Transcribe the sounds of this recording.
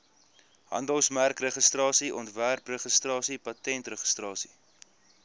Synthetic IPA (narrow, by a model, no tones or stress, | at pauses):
ɦɐ̰ndəlˠsmærkrəχəstrɑːsiʔɔntværprəχəstrɑːsipɐtɛntrəχə̥strɑːsi̥